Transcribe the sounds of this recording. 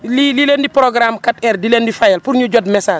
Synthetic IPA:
lilileːndipɾoɡɾamkatɛrdileːndifajɛlpuɾɲuɟɔdmɛsaːd͡ʒ

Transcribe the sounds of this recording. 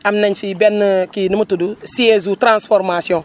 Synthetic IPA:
amnaɲfibɛnːkinɨmutudusiezutɾãnsfɔɾmasjɔ̃

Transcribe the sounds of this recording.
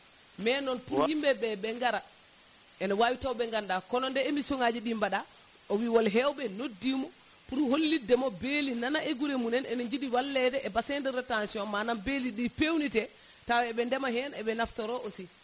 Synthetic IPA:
mɛnɔnpuɾhimbɛɓɛɓɛŋɡaɾa | ɛnɔwawitawɓɛŋɡandakɔnɔndɛemisɔŋad͡ʒiɗimbaɗa | ɔwiwɔlɦɛwɓɛnodːimɔ | puɾholːidːɛmɔbelinanaʔeɡuɾemunɛnɛnɔɲd͡ʒiɗiwalːɛdɛʔɛbasɛndɛɾɛtansiɔmmananbeliɗipewnitɛ | tawɛɛɓɛndɛmaɦɛnɛɓɛnaftɔɾɔʔosi

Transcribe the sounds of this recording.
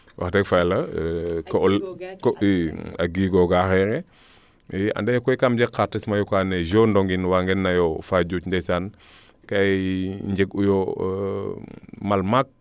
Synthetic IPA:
wa̰xtekfajlakolkoaɡiɡoɡaxeɾe | a̰ndejkojikamd͡ʒekatːismajukaned͡ʒondoŋɡinwaŋɡenːajofaɟucndesan | kaɲd͡ʒeɡujo | malmak̚

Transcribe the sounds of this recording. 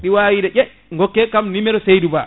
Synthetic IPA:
ɗiwawiɗɛʔɛ | ŋɡɔkːɛkamnimɛɗɔsejduba

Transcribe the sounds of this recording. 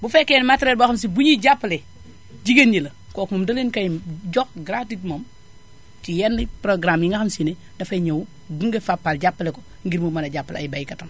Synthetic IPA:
bufekːenmatɾetbaxɐms̬ibujiɟapːle | ɟiɡenɟilɐ | kokumɐmdɐlenkɐjɟɔkɡɾatitmɐm | t͡ʃijɛndipɾoɡɾamjiŋɡaxɐmsine | dɐfɐɲɐwu | ɡuŋɡefapːalɟapːleko̥ | ŋɡiɾmumɐnɐɟapːlɐ̰jbajikɐtɐn

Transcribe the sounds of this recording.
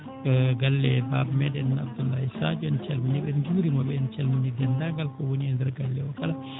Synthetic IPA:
ɡɐlːɛbaːbmɛdɛnːa̰bd̪ulːaːjisad͡ʒɔɛnt͡ʃɛlmuɲɛɓɛnd͡ʒuːɾimɔbɛnt͡ʃɛlmuɲidɛnd̪aɡalkɔwoniɛnd̪ɛɾɡɐlːɛɔkɐla

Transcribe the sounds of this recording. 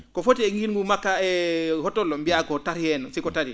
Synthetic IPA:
kofotieŋɡinŋɡumakːaɛhotolɔmbiakɔtaɾijɛnɔsikotaɾi

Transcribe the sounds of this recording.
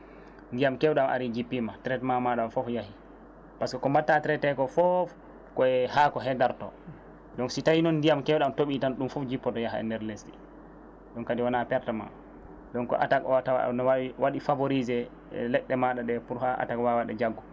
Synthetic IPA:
ndijamkɛwɗamʔa̰ɾid͡ʒipːimatɾɛtmamaɗamfɔfjahi | paskɔkɔmatːatɾɛtɛkɔfɔf | kɔɛhakɔɦɛdaɾtɔ̰ | ɗɔnsitajinɔnːdijamkɛwɗamtoɓitanɗumfɔfd͡ʒipːɔtɔjaɦaɛ̰ndɛɾlestḭ | ɗɔnkadiwanapɛɾtama̰ | ɗɔnkɔ̰ʔa̰takɔwatawnɔwwaɗifaboɾizɛ | lɛɗːɛmaɗaɗɛpuɾhaʔa̰takwawaɗɛ̰d͡ʒaɡːɔ

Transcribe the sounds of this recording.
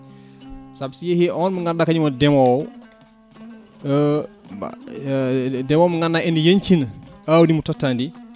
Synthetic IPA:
sabsijehiʔɔːnməŋɡandakaɲumɔdɛmɔw | dɛmoːwməŋɡanːaʔɛndijɐɲt͡ʃinawdimutɔtːandi

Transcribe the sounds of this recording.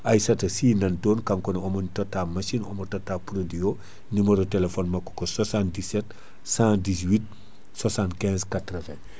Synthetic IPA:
ʔajsɐtɐsiːnɐntoːnkaŋkɔnɔmɔntɔtːamasinɔmɔtɔtːapɾodio | nimɐɾotelefɔnmɐkːɔ̥kɔswasãndisɛt | sãdis̬wit̚ | swasãntkɛ̃zkatɾɔvɛ̃

